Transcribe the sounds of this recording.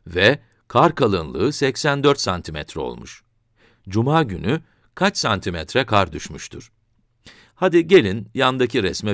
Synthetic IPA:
vɛ | kʰaɾkʰalˠɯnlˠɯ̰ːsɛcsænd̪øɾt̪sant̪ʰimɛt̪ɾɛo̞̰lˠmuʃ | d͡ʒumaːɟyny | kʰat͡ʃsant̪ʰimɛt̪ɾɛkʰaɾd̪yʃmyʃt̪ʰuɾ̥ | had̪iɟe̞lʲinjand̪acʰiɾɛsmɛ

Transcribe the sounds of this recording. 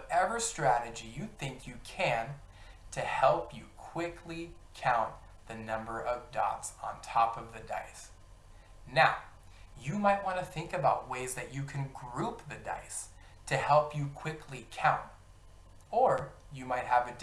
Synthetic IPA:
wʌɾɛvə˞stɹ̥æɾɨd͡ʒijɨθɪ̃ŋkʰjɨkʰɨ̃n | tʰɨhɛlˠpjɨkʰw̥ɪkʰlikʰãʊ̃n | ðɨnʌ̃mbə˞ʔʌvdɑ̰tsn̩tʰɑpʌvðɨdaɪs | naʊ | jɨmaɪt̚wɑ̃ntɨθɪ̃ŋkɨbaʊt̚weɪzðɨt͡ʃɨkʰɨ̃nɡɹup̚ðɨda̰ɪs | tʰɨhɛlˠpjɨkʰw̥ɪkʰlikʰãʊ̃nt̚ | ə˞jɨmaɪt̚ɦəvɨd

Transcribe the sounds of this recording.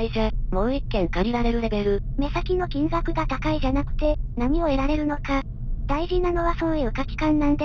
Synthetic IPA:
izamo̞ːikːẽ̞ŋkaɾʲiɾaɾe̞ɾɯ̟ɾe̞beɾɯ̟me̞sakʲino̞kʲĩŋɡakɯ̟ɡat̪akaiʑanakɯ̟̥t̪e̞namʲio̞e̞ɾaɾe̞ɾɯ̟no̞ka | d̪̥aiʑinano̞βaso̞ːjɯɯːkakʲi̥kãnːãnd̪e

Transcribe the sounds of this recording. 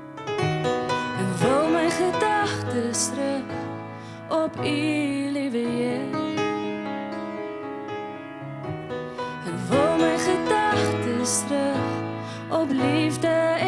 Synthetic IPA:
əkvəlˠməjχədɐχtəsɾək | ɔpilivəje | əkvəlˠməjχədɐχtəsrək | ɔplivdə

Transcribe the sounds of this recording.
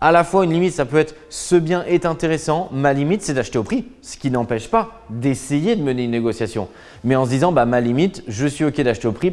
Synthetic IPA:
alafwaynlimit̪sapøɛt̪χsəbjɛ̃ʔɛt̪ɛ̃t̪eʁesɑ̃malimit̪sɛd̪aʃt̪eopχisə̥kʲinɑ̃pɛʃpa | d̪esejed̪əməneynːeɡɔsjasjɔ̰̃ | mɛɑ̃səd̪izɑ̃bamalimit̪ʒəsɥiokʲed̪aʃt̪eopχi

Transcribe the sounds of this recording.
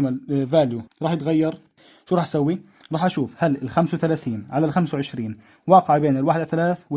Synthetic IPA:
malvaːljuɾˤɑːħjɪt̪ɣajːɑɾˤ | ʃuːɾˤɑːħʔsawːi | ɾˤɑːħʔaʃuːfhalɪlxamswθalaːθiːnʕalalxamswʕɪʃɾiːn | wɑːqɪʕbeːnɪlwaːħɪd̪aθalaːθw

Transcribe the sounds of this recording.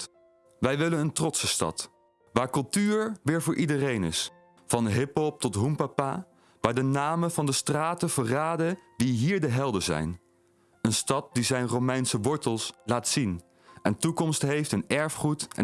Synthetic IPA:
ʋɛjʋɪlənəntrɔtsəstɑ̰t | ʋaːɹkɵlˠtyːɹʋɪːɹvʊːɹʔidərejnɪ̰s | fɑnɦɪpɦɔp̚tɔtɦumpapa | ʋaːɹdənaːməvɑndəstraːtəv̥əraːdədiɦiːɹdəɦɛlˠdəzɛ̰jn | ənstɑt̚dizɛjnrowmɛjnsəʋɔɹtəlˠslaːtsin | ɛntukɔmstɦejftənɛɹfχutɛ̰

